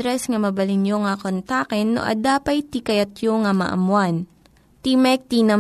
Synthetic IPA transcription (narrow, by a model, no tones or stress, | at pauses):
ɾɛsŋɐmɐbɐlɪnjoŋɐkont̪akɛnːo̰ʔɐ̰d̪aːpɐjt̪ikɐjɐt̪̚joŋɐmɐ̰ʔɐ̰mwan | t̪imɛk̚t̪inɐ